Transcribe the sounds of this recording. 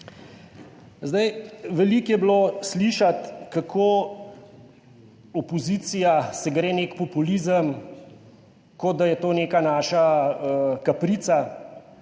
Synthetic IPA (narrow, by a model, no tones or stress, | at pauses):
zd̪ajʋɛliːkjɛbloːsliʃat̪kakʰoː | ɔpɔziːt̪sijasɛɡɾeːneːkpɔpulizəm | kod̪d̪ajɛt̪oːneːkanaːʃa | kapɾit̪sa